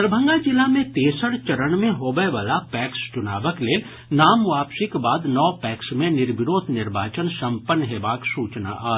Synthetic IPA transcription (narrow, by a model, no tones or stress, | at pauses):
əɾbʱə̃ŋɡat͡ʃɪlamẽt̪eːsəɽt͡ʃɐɾəɳmẽɦoːbəʋaːlapɛːkst͡ʃʊnaːʋəkleː | naːmʋaːpsikbaːd̪nɔːpɛːksmẽnɪɾbɪɾoːt̪ʰnɪɾbaːt͡ʃənsɐ̃mpənːɦeːbaːksuːt͡ʃna̰ʔaː